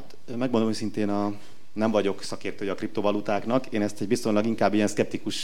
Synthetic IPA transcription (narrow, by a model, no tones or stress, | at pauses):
at̪ | mɛɡmond̪omojsint̪eːnɒ | nɛɱvɒɟo̞ksɒkeːrt̪øːjɛɒkrip̚t̪ovɒlut̪aːknɒkeːnɛst̪ɛɟbist̪o̞ɲlɒɡiŋkaːbːijɛnskɛp̚t̪ikuʃ